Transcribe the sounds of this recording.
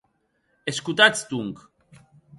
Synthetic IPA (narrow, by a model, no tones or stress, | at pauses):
eskut̪at͡st̪uŋk